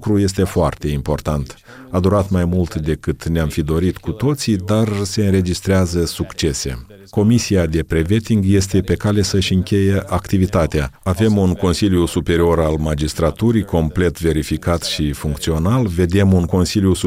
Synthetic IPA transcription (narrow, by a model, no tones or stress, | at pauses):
kɾuje̞s̬t̪e̞foart̪e̞impo̞rt̪ant̪ | ad̪uɾat̪majmult̪d̪e̞kɨt̪neamfid̪o̞ɾit̪kut̪o̞t̪sid̪arse̞ɨnɾe̞d͡ʒist̪ɾeazəsukt͡ʃe̞se̞̰ | ko̞misiad̪e̞pɾe̞ve̞t̪iŋɡje̞st̪e̞pe̞kale̞səʃʲɨŋkʲe̞je̞ʔakt̪ivit̪at̪eaave̞munko̞nsiljusupe̞ɾio̞ɾalmad͡ʒist̪ɾat̪uɾijko̞mple̞t̪ve̞ɾifikat̪ʃifuŋkt̪sio̞nalve̞d̪e̞munko̞nsilʲjus